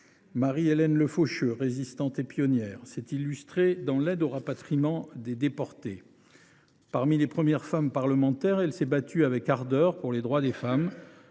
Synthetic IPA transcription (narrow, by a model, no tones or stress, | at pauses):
maʁielɛnləfoʃøʁezist̪ɑ̃t̪epjɔnjɛʁsɛt̪ilːyst̪χed̪ɑ̃lɛd̪oʁapat̪χimɑ̃d̪ed̪epɔʁt̪e | paʁmilepχəmjɛʁfampaʁləmɑ̃t̪ɛʁɛlsɛbat̪yavɛkaʁd̪œʁpuʁled̪ʁwad̪efam